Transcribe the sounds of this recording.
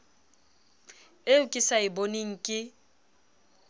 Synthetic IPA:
eʊkʼɪsaɪboniŋ̩kʼɪ

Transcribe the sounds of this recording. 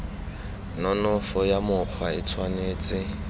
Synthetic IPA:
nɔnɔfɔjamʊk͡xʰwaɪt͡sʰwaneːt͡sʼɪ

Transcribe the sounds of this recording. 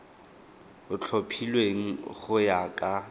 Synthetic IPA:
ʊt͡ɬʰopʰilweŋ̩χʊjakʼa

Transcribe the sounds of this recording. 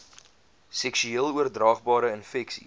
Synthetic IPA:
sɛksyiːəlˠuərdrɑːχbɑːɾəənfɛksḭ

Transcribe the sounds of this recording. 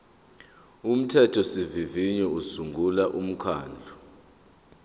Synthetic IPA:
um̩tʰɛtʰɔsiviviɲɔusuŋɡʱulaʔum̩kʰa̰ːnd͡ɮʱu

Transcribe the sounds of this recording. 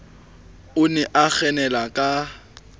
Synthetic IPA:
ʊnɛʔak͡xɛnɛlakʼa

